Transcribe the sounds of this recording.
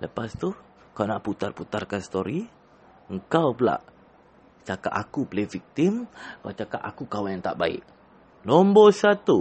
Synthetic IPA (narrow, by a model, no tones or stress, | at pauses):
ləpast̪u | kawnaʔput̪arput̪arkanst̪oɾi | əŋkawpla̰ʔ | t͡ʃaka̰ʔakupəlevik̚t̪iməŋkawt͡ʃakaʔakukawajaŋt̪a̰ʔbaɪ̰ʔ | lombɔsat̪u